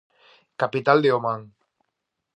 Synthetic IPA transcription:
kapit̪ald̪eomaŋ

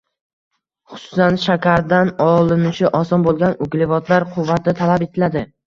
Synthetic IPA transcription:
χʊ̥sʊ̥sanʃakʲaɾd̪anɒlˠɪnɪʃɪʔɒsɒnbolˠɡʲanʊɡʲlɪvɒt̪ʰlaɾqʰʊvːat̪ʰɪt̪ʰalape̞t̪ʰɪlad̪ɪ

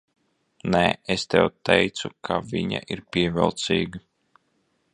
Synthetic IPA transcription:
nɛest̪ɛ̰wt̪ɛjt̪sukʰaviɲa̰ʔiɾpʲiɛvɛlˠt̪sḭːɡa

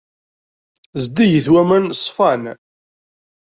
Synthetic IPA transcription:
zd̪ijəθwæmænsˤfɑn

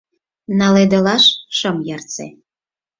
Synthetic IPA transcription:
nɑled̪ə̆lɑʃʃəmjɑrt͡sḛ

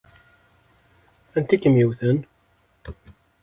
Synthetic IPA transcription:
ænt̪ikːəmjiwθən

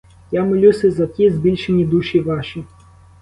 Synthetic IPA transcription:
jamɪlʲusʲɛzɐt̪ʲizbʲilʲʃenʲːid̪uʃiʋɑʃʲi

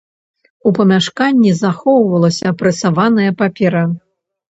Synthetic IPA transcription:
upɐmʲaʂkanʲːizaxɔwvɐlˠɐsʲɐːpɾɛsavanɐjɐpapʲɛɾɐ

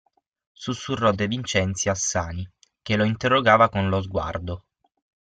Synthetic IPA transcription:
susːurːɔd̪evint͡ʃɛnt̪sjasːaːni | keloint̪erːoɡaːvakonlozɡwa̰rd̪o

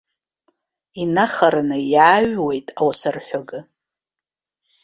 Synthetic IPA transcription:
inaχaɾanɨjaːɥwe̞jtʼawasarħʷᶣaɡɨ

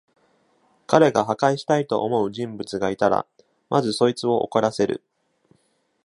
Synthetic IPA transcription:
kaɾe̞ɡaɦakaiɕi̥t̪ait̪o̞ʔomo̞ɯ̟ʑĩmbɯ̟t͡sɨɡait̪aɾa̰ | mʔazɨso̞it͡sɨo̞ʔo̰koɾase̞ɾɯ̟̰

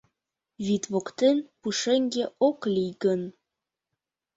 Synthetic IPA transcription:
vit̪vokt̪enpuʃeŋɡʲeoklʲijɡən

